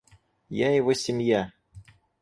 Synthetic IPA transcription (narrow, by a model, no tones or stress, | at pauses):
jajɪvosʲɪmja